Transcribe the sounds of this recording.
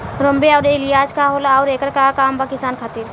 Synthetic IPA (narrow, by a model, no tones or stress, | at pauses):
ɾəmbeɔʊɾɪlijaːskaɦolaɔːɾeːkəɾkakaːmpaːkɪst̪aːnkʰaːt̪iːɾ